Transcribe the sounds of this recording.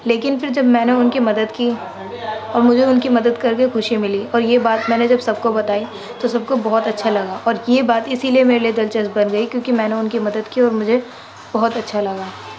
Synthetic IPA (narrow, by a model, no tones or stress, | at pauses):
leːkɪnfɪɾd͡ʒɐbmɛ̃ːneʊnkimɐd̪əd̪ki | ɔːɾmʊd͡ʒʱeʊnkimɐd̪əd̪kɐɾkexʊʃimɪliɔːɾjebaːt̪mɛ̃ːned͡ʒɐbsɐb̚kobɐt̪aːi | t̪osɐb̚kobɔɦɔt̪ɐtːʃʰalɐɡaːʔɔːɾjebaːt̪ɪsiliemeːɾelied̪ɐlt͡ʃəsbɐnɡɐikjõːkimɛ̃ːneʊnkimɐd̪əd̪kiɔːɾmʊd͡ʒʱe | b̥ɔɦʊt̪ɐtːʃʰalɐɡaː